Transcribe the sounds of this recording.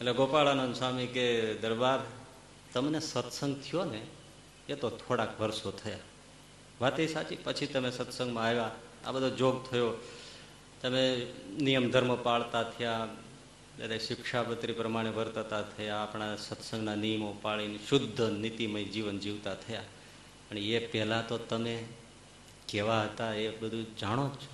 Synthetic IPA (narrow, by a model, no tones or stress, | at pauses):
etleɡopaɭanonsamiked̪əɾbad̪ | t̪əmnesət̪səŋɡt̪ʰijone | et̪ot̪ʰoɽakʋəɾsot̪ʰəja | ʋat̪esat͡ʃipət͡ʃʰit̪əmesət̪sə̃ŋɡmãːʋa | a̰bəd̪ʱod͡ʒoɡ̚t̪ʰəjo | t̪əmenijəmd̪ʱəɾməpaɭt̪at̪ʰəja | bed̪aiʃɪkʃapət̪ɾipɾəmaɽ̃eʋəɾt̪ət̪at̪ʰəjaːpɳ̃asət̪sə̃ŋɡnanijəmopaɭinʃʊd̪ʱːənit̪iməid͡ʒiʋənd͡ʒiʋt̪at̪ʰəja | pəɳepɛɦlat̪ot̪əme | keʋaɦət̪aebəd̪ʱũd͡ʒaɽ̃opt͡ʃʰe